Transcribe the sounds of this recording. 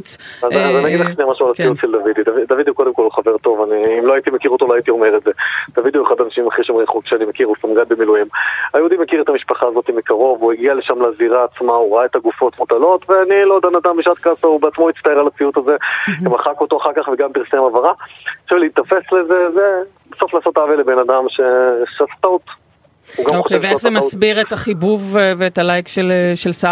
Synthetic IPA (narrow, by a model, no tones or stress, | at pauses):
azzanaɡid̪leχʃnejmaʃualat͡sijut̪ʃeld̪avid̪id̪avid̪avid̪ihuko̞d̪e̞mko̞lχave̞ʁt̪o̞vaniːmloait̪imekiʁo̞t̪oloait̪io̞me̞ʁetze̞d̪̥avid̪iueχad̪anaʃimaχiʃomʁeχokʃeanimekiʁusamɡanbemiluimajeud̪imekiʁet̪amiʃpaχaːzo̞t̪imikaʁo̞vueɡialeʃamlaziʁaːt͡smauʁaaet̪aɡufo̞t̪mot̪alo̞t̪veanilo̞d̪anad̪ambiʃat̪kasaubeat͡smoit̪st̪aealat͡siut̪aze̞emaχako̞toaχaʁkaχveɡampiʁsemavaʁaʃevliit̪afe̞slezeze | beso̞flaːso̞t̪avelebenad̪amʃeʃeasḁtaut̪ | uɡaooʃeveezemasbiʁetaχibuvveːtalajkʃeleʃelsa